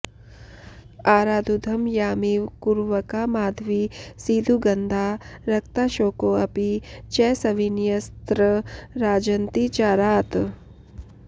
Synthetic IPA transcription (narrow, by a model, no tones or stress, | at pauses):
aːɾaːd̪ʱud̪ʱɐmjaːmiwkuɾʋɐkamaːd̪ʱʋisiːd̪ʱuɡɐnd̪ʱaːɾɐkt̪aʃoːkoɐpit͡ʃɛːsɐʋinjɐst̪ɾəɾaːd͡ʒɐnt̪it͡ʃaːɾaːt̪